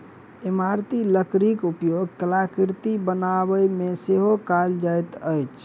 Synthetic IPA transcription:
imaɾt̪iləkɾikupjoɡkəlakiɾt̪ibənabəjmeseɦokald͡ʒajt̪əjt͡ʃʰ

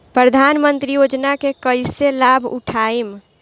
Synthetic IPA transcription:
pɾəd̪ʱanmənt̪ɾijod͡ʒnakekəɪselabʱṵʈʰaim

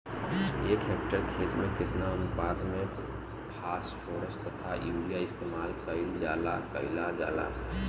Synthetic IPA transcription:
eːkɦeːk̚ʈəɾkʰeːt̪mẽkɪt̪naənpaːd̪mẽ | pʰaːspʰoːɾəsʈt̪ət̪ʰajuːɖijaɪst̪eːmaːlkəɪld͡ʒaːlakə̰ɪlad͡ʒa̰ːla̰

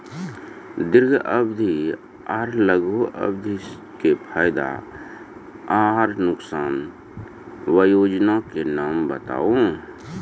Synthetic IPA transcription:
d̪ɪɾɡʱʔəbd̪ʱi | aɾləɡʱoʔə̰bd̪ʱi | kepʰaːjd̪a̰ | aːɦɾnʊksaːn | wəjoːd͡ʒnakenaːmbət̪a̰ːõ

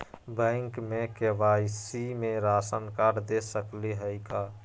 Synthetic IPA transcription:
bə̃ŋkmekeʋaisimeɾasənkaɾd̪esəkliɦəɪka

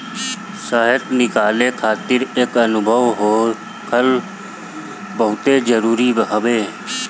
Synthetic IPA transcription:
saːɦɪt̪nɪkaːlekʰaːt̪ɪɾeːkɐnʊbʱəʋɦoː | kʰəl | bəɦʊt̪ed͡ʒəɾuːɾibɦəʋeː

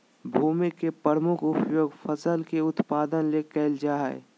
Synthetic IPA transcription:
bʱuːmikːepɾəɾmʊkʰʊpjoːɡpʰəsəlkeʊt̪paːd̪ənlekɛːld͡ʒaɦɛ̰

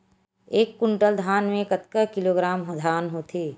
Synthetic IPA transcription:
eːkːʊɳʈəld̪ʱaːnmẽkət̪kəkɪloːɡɾaːmɦod̪ʱaːnɦot̪ʰeː

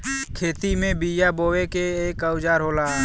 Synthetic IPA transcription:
kʰeːt̪imẽbijaboːwekeeːkəwd͡ʒaːɾɦoːlaː

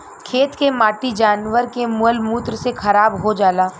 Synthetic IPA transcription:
kʰeːt̪kemaːʈid͡ʒaːnʋəɾkemʊəlmuːt̪ɾsexʰɐɾaːbɦod͡ʒaːlaː

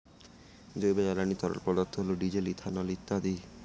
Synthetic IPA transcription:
d͡ʑojbealanit̪ɔɾɔ̰ɾpɾɔd̪aɾt̪ʰːoɦoloɖid͡ʑelit̪ʰanɔlit̪ːad̪i

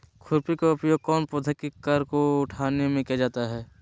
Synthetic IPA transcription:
kʰʊɾpikaʊpjoːɡ̚kɔːnpʊd̪ʱəkikɐɾkoʊʈʰaːnemẽkijad͡ʒaːt̪aɦɛː

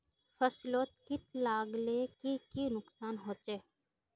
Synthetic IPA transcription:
fəsloːt̪kɪt̪laːɡleːkikinʊksaːnɦoːt͡ʃeː

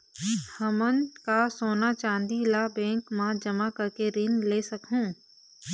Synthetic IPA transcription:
həmənkasoːnat͡ʃãːnd̪ilabɛ̃ːŋkmãd͡ʒəmakəɾkeɾɪnleːsɐkɦũː

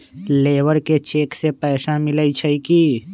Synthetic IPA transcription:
leːwəɾket͡ʃeːksepɛːsamɪləit͡ʃʰəiki

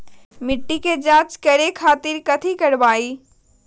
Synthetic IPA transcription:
mɪʈːiked͡ʒaːt͡ʃkɐɾekʰaːt̪ɪɾkɐt̪ʰikɐɽʋaːiː

